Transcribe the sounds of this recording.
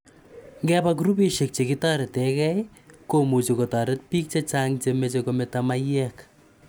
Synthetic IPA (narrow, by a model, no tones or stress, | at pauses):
ŋɡɛpak̬uɾupeʃek̚t͡ʃekɪtaɾɪtɛkɛj | komut͡ʃekotaɾɪt̚pik̚t͡ʃet͡ʃaŋt͡ʃemet͡ʃekometamajɛk